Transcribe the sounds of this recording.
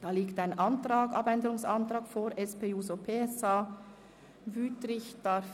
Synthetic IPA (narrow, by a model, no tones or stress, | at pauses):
d̥ɑːliːktaɪnʔɑntʁaːɡʔɑ̰bɛndəʁʊŋsɑntɾɑːkfoːɾʔɛspeːuːzopʰeːɛsaː | vyːtɾɪçd̥ɑɾf